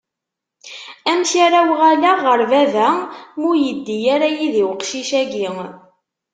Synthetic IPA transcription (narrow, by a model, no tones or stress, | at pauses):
æmçaɾawʁælaʁəɾvæðæmʊjəd̪ːijæɾajiðiwəqʃiʃæɡi